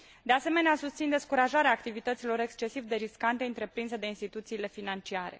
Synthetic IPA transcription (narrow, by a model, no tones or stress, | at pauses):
d̪easeme̞neasust̪sind̪e̞skuɾaʒaɾeaːkt̪ivit̪ət̪silo̞ɾe̞kst͡ʃe̞sivd̪e̞ɾiskant̪e̞ɨnt̪ɾe̞pɾinsəd̪e̞inst̪it̪ut̪siːle̞finant͡ʃiaɾe̞̰